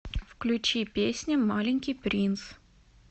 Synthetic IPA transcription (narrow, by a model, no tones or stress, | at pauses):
fklʲʉt͡ɕipʲesʲnʲəmalʲɪnʲkʲijpɾʲins